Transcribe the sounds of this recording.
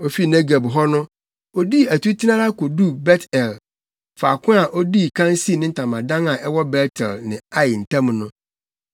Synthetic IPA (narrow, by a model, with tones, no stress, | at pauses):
o˦fi˦nɛ˦ɡe˨bɦɔ˦nʊ̃˦ | o˦di˦æ˨tʰu˦tʰi˦nã˦la˦ko˨du˦bɛ˦tʰɛ˨l | fa˨kʰʊ̃˦a˨ʔo˦di˦kʰã˦n˦si˦˨nɪ̃˦n̩˦tʰã˨mã˨dã˦ŋa˨ʔɛ˦wɔ˦bɛ˦tʰɛ̰˨lnɪ̃˨a˦jɪ˨n̩˨tʰã˦m˨nʊ̃˦